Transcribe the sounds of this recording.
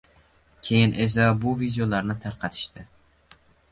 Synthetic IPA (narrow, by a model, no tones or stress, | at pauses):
kʲʰe̞jɪnʔes̬abʊvid̪eolaɾnɪt̪ʰaɾqʰɑt̪ʰɪ̥ʃt̪ɪ